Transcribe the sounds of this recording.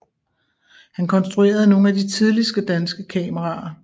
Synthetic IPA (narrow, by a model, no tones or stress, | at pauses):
hænkʰɒ̽nsd̥ʁue̝̰ːɐð̞̩ˠno̝ːn̩æd̥it͡sʰið̞ˠlisɡ̥əd̥ænsɡ̥əkʰɛːməʁɑ̈ɐ